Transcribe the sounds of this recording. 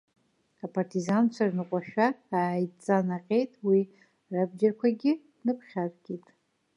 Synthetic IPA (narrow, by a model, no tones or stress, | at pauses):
apʰartʰizant͡ʃʷʰarnɨqʷʼaʃᶣaːjt͡sʼanaqʲʼe̞jtʼwi | rabd͡ʒarkʷʰaɡʲɪ | nɨpʰχʲarɡʲʼitʼ